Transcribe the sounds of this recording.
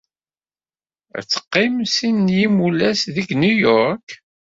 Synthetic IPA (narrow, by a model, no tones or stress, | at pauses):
æ̰t͡sːə̥qːɪmsinːjimulæsðiɡnujɔɾk